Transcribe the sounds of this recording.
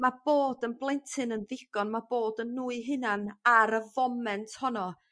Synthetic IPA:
mab̥oːdənblˠɛntʰɨnənðɪɡ̥ɔnmab̥oːdənːuːɨɦɨnanaɾəvɔmɛntʰhɔnɔ

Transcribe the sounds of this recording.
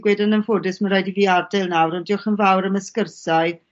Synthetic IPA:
ɡ̥wɛdanənfoːdɨsmənrajdiviːardajlˠnawɾɔndiɔχənvawɾəməskərsaɨ

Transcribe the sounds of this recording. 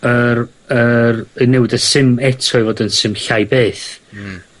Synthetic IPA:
ər | ərənɛwɪdəsɨmɛtʰɔɨvɔdənsɨmɬajbeːθ

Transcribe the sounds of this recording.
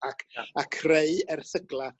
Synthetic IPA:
akʰakʰreɨɛrθəɡlˠa

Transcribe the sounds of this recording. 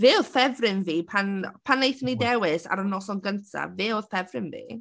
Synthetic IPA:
veːɔðfɛvrɪnviːpʰanpʰanːejθnidɛwɪsa̰ɾənɔsɔnɡəntʰa̰veːoðfɛvrɪnvḭː

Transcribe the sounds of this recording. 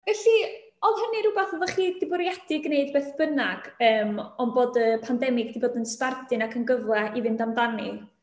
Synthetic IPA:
vɛɬi | ɔðhəniɾubaθɔvɔχiːdɪbɔɾjad̥ɪɡneɨdbeːθb̥ənaɡ̥əːmɔnboːdəpʰandɛmɪɡd̥iboːdənspardɨnakʰənɡəvlɛʔivɪndamdani

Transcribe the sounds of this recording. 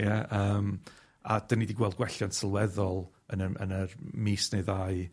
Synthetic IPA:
jaəːm | a̰d̥ənidiɡwɛlˠd̚ɡwɛɬjansəlˠwɛðɔlˠ | ənəə̰nərmiːsneɨðaːɨ

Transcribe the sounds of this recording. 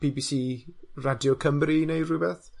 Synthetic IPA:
b̥ibisiːradjɔkʰəmrinejrubɛθ

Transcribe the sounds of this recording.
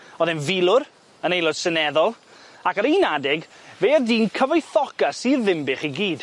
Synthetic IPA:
ɔðɪnvilˠʊɾ | ənejlˠɔd̥sənɛðɔlˠakaɾenadɪɡveːərdiːnkʰəvɔjθɔkasirðɪmbɪχiɡiːd̥

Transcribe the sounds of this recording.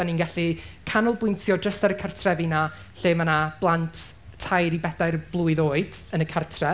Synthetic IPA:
d̥aniːnɡaɬikʰanʊlˠbʊjntʰjɔdrəstaɾəkʰartʰrɛvina | ɬeːmanab̥lˠantʰːajɾibɛdajrblˠʊɨðoːɨd̥ənəkʰartʰrɛ

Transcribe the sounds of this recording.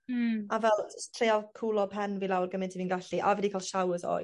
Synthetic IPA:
avɛlˠtʰrejalˠkʰuːlˠɔpʰɛnvilˠawrɡəmɪntʰiviːnɡaɬiʔavɛdikʰaːlˠʃawəzɔ̰ː

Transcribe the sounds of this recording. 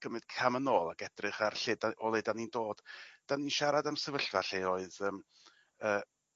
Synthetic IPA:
ɡ̥əmɨd̥kʰamənoːlˠaɡɛdrɨχarɬɪdaɔlˠedanindoːd̥d̥aninʃaɾadamsəvəɬvaɬeoːɨðəːm | əː

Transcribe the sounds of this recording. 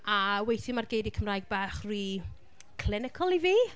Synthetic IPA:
awejθɪmarɡejdikʰəmrajɡ̚baːχriː | kʰl̥ɪnɪkʰɔlˠiviː

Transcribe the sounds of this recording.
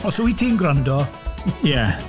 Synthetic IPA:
ɔsuitʰiːnɡɾandɔjɛ

